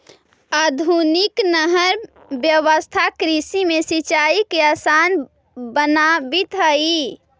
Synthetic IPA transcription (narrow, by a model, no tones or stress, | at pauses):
ad̪ʱuniknəɦəɾ | bjəʋəst̪ʰakɾisimesit͡ʃaikeasan | bənabit̪ɦəi